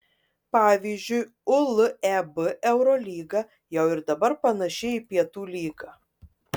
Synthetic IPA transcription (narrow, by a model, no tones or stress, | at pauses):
pɑːʋʲiːzʲd͡ʒʲʊɪ | ʊlˠɛbɨʔɛʊɾɔːlʲiːɡɑ | jɛʊɪɾd̪ɐbɐɾpɐnɐʃʲɪipʲiɛt̪uːlʲiːɡɑ